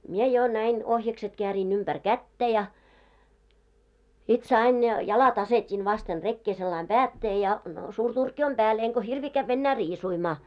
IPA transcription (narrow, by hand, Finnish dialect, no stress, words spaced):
mie jo næin ohjɑkset keæriːn ymb̥ær kætːæ jɑ sit sɑin jɑ jɑlɑt ɑsetin ʋɑsten rekːeː selːɑim pæːtːeː jɑ suːr turkːi om b̥æːl eŋko hirʋiː kæʋː enːæː riːsuimɑː